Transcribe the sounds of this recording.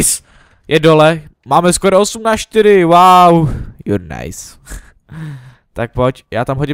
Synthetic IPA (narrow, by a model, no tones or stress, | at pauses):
s | jʔɛdolɛmaːmɛskoɾoosumnaʃt̪ɪɾɪwawjṵɾna̰js | t̪ak̚pocjaːt̪amɦoɟɪ